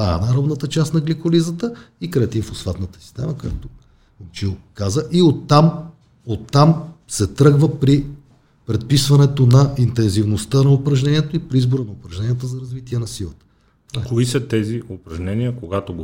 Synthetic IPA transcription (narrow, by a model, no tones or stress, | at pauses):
aɛ̰nɐɾɔb̪nət̪ət͡ʃasnɐɡlikolizət̪əikɾɛɛt̪infosfat̪nət̪ə̥si̥st̪ɛ̰məkoja̰t̪o | omt͡ʃilˠkazəʔiot̪ːam | ot̪ːamsɛt̪ɾɤɡvəpɾi | pɾɛt̪̚pisvɐnɛt̪onɐint̪ɛnzivnost̪ənɐopɾɐʒnɛnʲiɛt̪oipɾiizboɾənɐʊpɾɐʒnɛniɛt̪əzɐɾɐzvit̪iɛnɐsilˠə̰t̪ə̥ | koisɐt̪ɛziʊpɾɐʒnɛniəkoɡat̪oɡ